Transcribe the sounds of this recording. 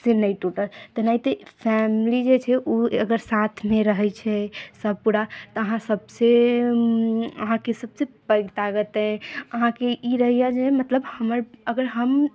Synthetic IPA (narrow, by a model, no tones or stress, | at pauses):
senəjt̪uʈəlt̪ənait̪əpʰɛmlid͡ʒet͡ʃʰɛʔuəɡəɾsat̪ʰmeɾəɦɛt͡ʃʰɛsəb̚ʱpuɽat̪ɔəɦãsəbse | ə̰ɦãkesəbsepəɡt̪aɡət̪ə̃əɦãkeiɾəɦijad͡ʒemət̪ləbhəməɾəɡəɾɦəm